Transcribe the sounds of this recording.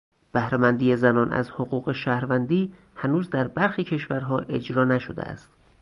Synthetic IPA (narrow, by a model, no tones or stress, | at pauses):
b̥æhɾemænd̪ijezænɒːnʔæ̰zhoɣuːɣe̞ʃæhɾvænd̪iː | hænuːzd̪æɾbæɾxiːcʰe̞ʃvæɾɦɒːʔe̞d͡ʒɾɒːnæʃod̪ḛæ̰st̪̚